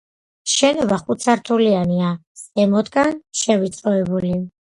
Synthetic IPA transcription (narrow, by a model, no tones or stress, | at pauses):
ʃɛnɔbaχut̪sʰaɾt̪ʰuliania | sɛmɔd̪ɡanʃɛvit̪sʼɾɔɛbuli